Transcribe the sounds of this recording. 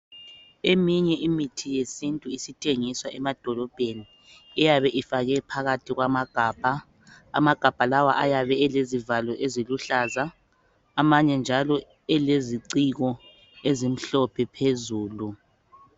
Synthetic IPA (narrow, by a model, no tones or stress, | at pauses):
emiɲɛʔimitʰijesintʼuisitʰʼeŋiswaʔɛmad̥ʱɔlɔb̥ʱeni | ɛjaβɛʔifaɣɛpʰaɣatʰiɣwamaɡ̥ʱaːb̥ʱa̰ː | maɡ̥ʱab̥ʱalawa̰ʔajaβɛɛlezivalɔʔeziluɬazaː | maɲɛnd͡ʒʱalɔ | ɛleziǀiɣɔ | ezim̩ɬɔpʰɛpʰezuːlu